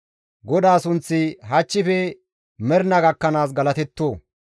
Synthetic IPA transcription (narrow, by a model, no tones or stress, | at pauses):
ɡɔd̪aːsʊnt͡sːɪɦɐt͡ʃːɪfɛ | mɛɾnɐɡɐkːɐnaːs̬ɡɐlɐt̪ɛt̪ːoː